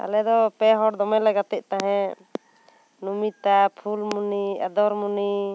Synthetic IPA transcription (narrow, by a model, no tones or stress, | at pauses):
a̰lɛd̪ɔpɛɦɔɽd̪ɔmɛlɛɡat̪ɛʔ̚t̪aɦɛ̃ | numit̪apʰulmuniad̪ɔɾmuni